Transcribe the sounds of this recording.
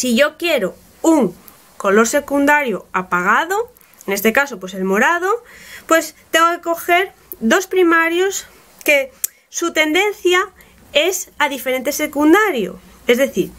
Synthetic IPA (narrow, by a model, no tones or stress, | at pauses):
siʝokjeɾo | uŋ | kolo̞ɾse̞kund̪aɾjoapaɣ̞aðo | enest̪ekasopweselmo̞ɾað̞opwe̞st̪eŋɡokeko̞xeɾ | ðo̞spɾimaɾjos | ke | sut̪e̞nd̪ẽn̟θja | esaðifeɾent̪esekund̪aɾjo̰ | ezðeθiɾ